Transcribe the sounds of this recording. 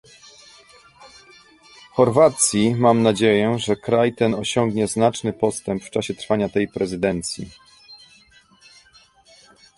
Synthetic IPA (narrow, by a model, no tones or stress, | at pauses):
xɔɾvat̪sʲjimamnad͡ʑejɛʐɛkɾajt̪ɛnɔɕɔŋɡɲɛznat͡ʂnɘpɔst̪ɛmpft͡ʂaɕɛt̪ɾfaɲat̪ɛjpɾɛzɘd̪ɛnt̪sʲjḭ